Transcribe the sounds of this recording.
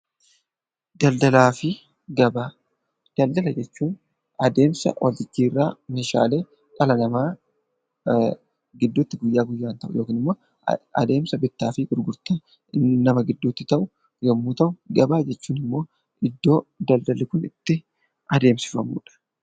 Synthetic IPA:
d̪̥ɐld̪ɐlaːfɪ | ɡɐba | d̪̥ɐld̪ɐlɐd͡ʒɛt͡ʃːuːn | ɐd̪e̞ːmsɐ̰wʔɐ̰lt̪ɪt͡ʃːiːrːa̰ːmeːʃa̰ːle̞ː | kʼɐlɐnɐma | ɡɪd̪ːʊt̪ːɪɡʊjːaːɡʊjːaːnt̪ɐʔʊ̰jo̞ːkiːnɪmːo̞ː | ɐ̰d̪e̞ːmsɐbɪt̪ːaːfɪɡʊɾɡʊɾt̪ɐ | nɐmɐɡɪd̪ːʊt̪ːɪt̪ɐʔʊ | jɛmːuːt̪ɐʔʊɡɐbaːd͡ʒɛt͡ʃːuːnɪmːo̞ː | ɪd̪ːo̞ːd̪ɐld̪ɐlɪkʊnɪt̪ːɪ | ʔɐd̪e̞ːmsɪ̥fɐmṵːᶑɐ̥

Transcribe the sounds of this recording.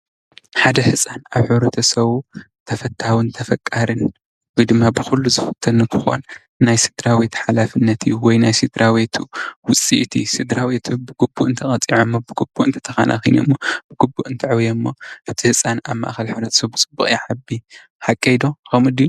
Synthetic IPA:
ħad̪ɐhɨsʼanaβħɨβɾɐt̪ʰɐsɐβu | t̪ʰɐfɐt̪ʰːawɨnt̪ʰɐfɐkʼːaɾɨn | wɔjd̪ɨmːabɨxulːuzɨfɨ̥t̪ʰːɐnkʰɨxo̰n | najsɨd̪ɾawet̪ħalafɨnːɐt̪ʰɨjːuwɔjnajsid̪ɾawet̪ʰuwʊt͡sʼːḭʔt̪ʰisɨd̪ɾawet̪ʰubɨɡubːuʔɨnt̪ʰɐkʼɐt͡sʼiʕomːobɨɡubːuʔɨnt̪ʰɐ̥t̪ʰɐxa̰nʔa̰xɐno̰mːob̥ɨɡ̥ubːuʔɨnt̪ʰɐʕwjɐmːoʔɨt̪ʰihɨsʼanaβma̰ʔxɐlħɨβɾɐt̪ʰɐ̥sɐβbɨt͡sʼɨbːuχʼjaʕabi | ħakʼːɐjd̪oxomɨd̪iju

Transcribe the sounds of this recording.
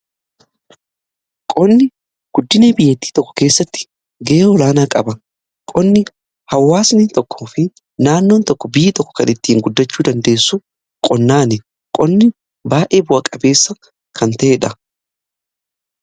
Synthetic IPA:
kʼɔnːɪ | ɡ̥ʊd̪ːɪneːbɪjːɛt̪ːiːt̪ɔkːɔ̥ke̞ːsːɐt̪ːɪ̥ | ɡɛʔeːɔlaːnaːkʼɐbɐ | kʼɔnːɪ | hɐwːaːsnɪnt̪ɔkʰːoːfɪ | naːnːoːnt̪ɔkːɔbɪjɪt̪ɔkːɔ̥kɐnɪt̪ːiːŋɡʊd̪ːɐt͡ʃːuːd̪ɐnd̪e̞ːsːʊ | kʼɔnːaːnɛ | kʼɔnːɪ | baːʔe̞ːbʊʔɐkʼɐbe̞ːsːɐ | kʰɐnt̪ɐʔeːᶑɐ

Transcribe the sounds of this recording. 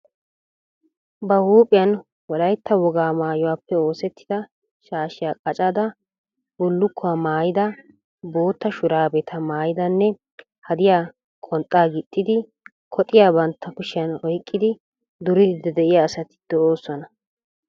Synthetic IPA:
bɐhuːpʼɪjɐn | wɔlɐjt̪ːɐwɔɡaːmaːjɔwaːpːɛo̞ːsɛt̪ːɪ̥d̪̥ɐ | ʃaːʃɪjaːkʼɐt͡ʃʼaːd̪ɐ | bʊlːʊkʰːʊwamaːjɪd̪ɐ | bo̞ːt̪ːɐʃʊɾaːbɛt̪ʰɐmaːjɪd̪ɐnːɛ | hɐd̪ɪjaː | kʼɔnt̪ʼːaːɡɪt̪ʼːɪd̪ɪ | kʰɔt̪ʼɪjaːbɐnt̪ːɐkʊʃɪjɐnɔjkʼːɪd̪ɪ | d̪ʊɾɪd̪d̪ɛd̪ɛʔɪjaːsɐt̪ɪ̥d̪̥ɔoːsːɔnɐ

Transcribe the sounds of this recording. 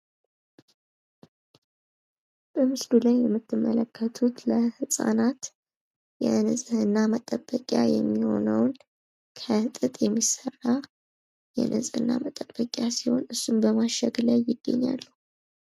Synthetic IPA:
b̥əmɨsd̪ulajːɛmːɨt̪ʰːɨmːələkʰːət̪ʰut̪ləhɨsʼa̰nat̪ | jɛnɨzʼhɨnːamət̪ʼəbːəkʼja̰jɛmːiho̞̰nəwn | kʰət̪ʼɨt̪ʼjɛmːisərːa | jɛ̰nʔəzʼhɨnːa̰mət̪ʼəb̥ːəkʼjasiho̞̰nɨsːumbəmaʃːəɡlajːɪɡːəɲːa̰lːu

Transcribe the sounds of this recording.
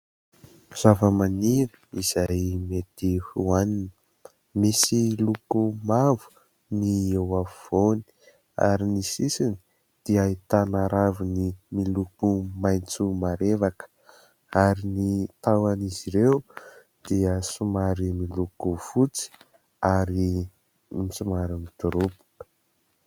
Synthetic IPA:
z̥avəmaniɾəiz̥ajmet̪ihuaninə | misilukumavu̥ | niewavoni̥ | a̰ɾinisisini̥ | d̪̥iait̪anaɾavunimilukumajnt͡sumaɾevakə̥ | aɾinit̪awaniziɾew | d̪̥iəsumaɾimilukuv̥ut͡si̥ | aɾi | misumaɾimid̪uɾupu̥

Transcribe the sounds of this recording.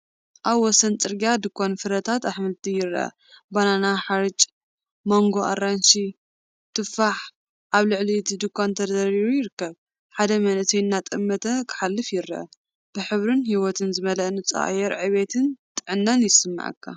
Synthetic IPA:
ʔaβwɔsɐnt͡sʼɨɾɡijad̪ɨkʰːonfɨɾɐt̪ʰat̪aħmɨlt̪ʰijɪɾʔɐ̰ | bananaħaɾɨt͡ʃʼ | mo̞ŋɡo̞ʔa̰ranʃi | t̪ʰɨfaħ | ʔaβlɨʕlit̪ʰd̪ɨkːont̪ʰɐɐɾiɾujɪɾɨkːɐβ | ħad̪ɐmɐnɨt̪ʰɐjnːat̪ʼɨmːɐt̪ʰɐkʰɨ̥ħalːɨfjɪɾɐʔɐ̰ | b̥ɨħɨβɾɨnhiwɔt̪ʰɨnzɨmɐlɐʔnɨt͡sʼa̰ʔajɛɾʕɨβet̪ʰɨnt̪ʼɨʕɨnːɐnjɪsɨmːa̰ʕɨ̰kʰːa̰

